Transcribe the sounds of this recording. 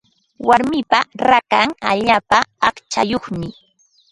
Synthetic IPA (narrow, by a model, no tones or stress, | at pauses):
waɾmɪpaɾakaŋaʎaːpaɑχt͡ʃa̰joχmɪ